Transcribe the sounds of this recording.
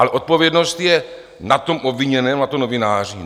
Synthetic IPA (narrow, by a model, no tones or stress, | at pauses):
alɛʔot̪̚po̞vjɛdnost̪jɛ | nat̪o̞mʔobviɲɛnɛːmnat̪onovɪnaːrɲi